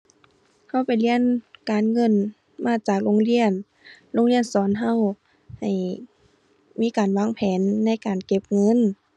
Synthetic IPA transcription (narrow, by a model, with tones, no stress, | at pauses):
ha˧˥˩wpa˨˩jli˧˥˨ənkaː˨˩nŋɤ˧˥˨n | maː˧˥˩t͡ɕaː˨˩k̚loː˧˥˨ŋli˧˥˨ən | lo˧˥ŋli˧˥ənsɔː˨˦nɦa˧˥˩w | ha˨˩j | miː˧˥˨kaː˨˩nwaː˧˥˨ŋpʰɛː˨˦nːa˧˥˨jkaː˨˩nke˧˥p̚ŋɤ˧˥˨n